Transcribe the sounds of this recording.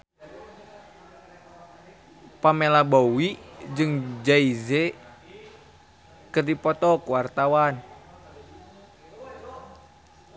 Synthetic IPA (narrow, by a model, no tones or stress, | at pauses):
pamelabowid͡ʒɨŋd͡ʒaizɛ | kɨrdipɔt̪ɔkuwart̪awan